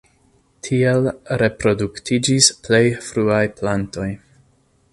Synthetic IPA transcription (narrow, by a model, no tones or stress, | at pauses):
tʰielɾe̞pɾo̞duktʰid͡ʒisple̞jfɾuajplanto̞j